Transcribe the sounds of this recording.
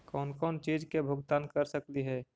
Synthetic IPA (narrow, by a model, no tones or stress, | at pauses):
kɔːnkɔːnt͡ʃiːd͡ʒkebʱʊɡt̪aːnkəɾsəkliɦɛː